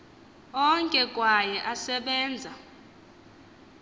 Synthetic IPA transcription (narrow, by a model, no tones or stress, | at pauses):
ɔŋkʼɛkʼwajɛʔasɛɓɛːnd͡zʱa